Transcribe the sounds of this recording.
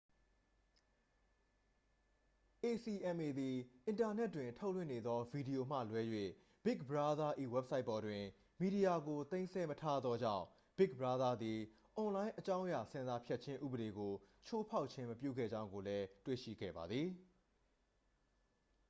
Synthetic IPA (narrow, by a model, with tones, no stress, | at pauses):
ʔe˨si˨ʔɛ̃˨mʔe˨d̪i˨ʔɪ̃˨nta˨nɛ˦tːwɪ̃˨ntʰo˦ʊlwɪ̰̃˦˨ne˨d̪ðɔ˦vi˨di˨jo˨m̥ä̰˦˨lwɛ˦jwḛ˦˨ | b̥ɪ˦k̚bəɹa˦d̪a˦ʔi˦˨wɛ˦p̚sa˦ɪpːɔ˨dwɪ̃˨ | mi˨di˨ja˨ɡo˨t̪ẽ˦ɪ̃nsɛ˦mətʰa˦d̪ðɔ˦d͡ʑã̰˦˨ʊ̃ | b̥ɪ˦k̚bəɹa˦d̪a˦d̪ði˨ | ʔɔ̃˨lã˦ɪ̃ʔət͡ɕã˦ʊ̃ja˨sɪ̃˦nza˨pʰjɛ˦t̚t͡ɕʰɪ̃˦ʔṵ˦˨bəɾe˨ɡo˨t͡ɕʰo˦pʰa˦ʊʔ̚t͡ɕʰɪ̃˦məp̬jṵ˦˨ɡɛ̰˦˨d͡ʑã˦ʊ̃ŋɡo˨lɛ˦twḛ˦˨ʃḭ˦˨ɡɛ̰˦˨ba˨d̪ði˨